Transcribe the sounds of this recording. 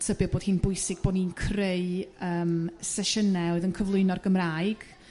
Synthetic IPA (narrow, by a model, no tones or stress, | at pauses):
tʰəbɨboːd̥hiːnbʊɨsɪɡ̚boːdniːnkʰreɨəːmsɛʃənɛwɨðənkʰəvlˠʊɨnɔrɡəmraːɨɡ̥